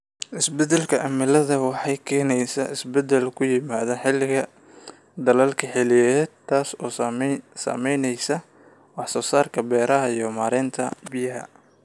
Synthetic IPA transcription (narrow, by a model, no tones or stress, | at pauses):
ʔɪsbɛd̪ɛlkʰɐʔɐmɪlɐðɐwɑħɑjkʰɛːnɛjsɐʔɪsbɛd̪ɛlkʰʊjɪmaːðɐħɪlɪɣɐ | d̪ɐlɐlkʰɐħɛlɪjɛt̪ʰːaːsɔːsɐ̰mɛjnɛjsɐ | wɑħsɔːsaːrkʰɐbɛːɾɐɦɐijɔmaːɾɛːnt̪ʰɐbɪjɐɦɐ̰